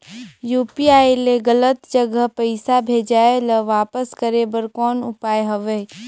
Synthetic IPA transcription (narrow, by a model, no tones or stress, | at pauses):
juːpiaːeleɡələt̪d͡ʒəɡəpəɪsabʱeːd͡ʒaːeləʋaːpəskəɾebəɾkɔːnʊ̰paːjɦɐʋe